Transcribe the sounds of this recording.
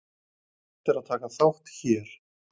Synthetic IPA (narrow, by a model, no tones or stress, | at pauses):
ɛht̪ɪɾaðt̪ʰaːkaθawht̪çɛːɾ̥